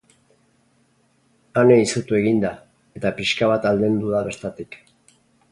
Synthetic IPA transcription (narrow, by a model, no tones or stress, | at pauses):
ane̞isut̪ue̞ɣind̪a | e̞t̪apiʃkaβat̪ald̪end̪uðaβe̞ɾt̪at̪ik